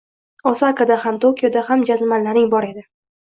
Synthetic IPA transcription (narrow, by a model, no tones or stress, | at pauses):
osakad̪ahamt̪ʰokʲijod̪ahamd͡ʒazmanlaɾɪŋbɒɾe̞d̪ɪ